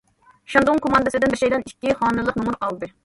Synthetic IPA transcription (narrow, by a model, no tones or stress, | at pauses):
ʃɑnd̪oŋkʰomɑnd̪ɨsɪd̪ɪnbɪɾʃɛjd̪ɛnikʲːiχɑːnɨlˠəqnumuɾqɑlˠd̪ɨ